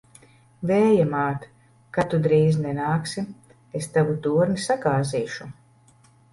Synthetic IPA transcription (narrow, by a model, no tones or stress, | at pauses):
vɛːjamaːt̪ | kat̪ud̪ɾiːznɛnaːksi | est̪avut̪uːɔɾnisaɡaːziːʃu